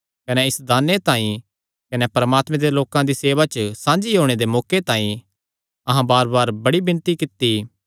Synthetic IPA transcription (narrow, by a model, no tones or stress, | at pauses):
kɐnɛɪsd̪aːnet̪ãːĩ | kɐnɛpɐɾəmaːt̪mẽd̪eloːkãd̪iseːʋat͡ʃəsãːnd͡ʒiɦoːɽ̃ed̪emɔːket̪ãːĩ | ɐɦãbaːɾbaːɾbɐɽibɪ̃nt̪ikɪt̪ːi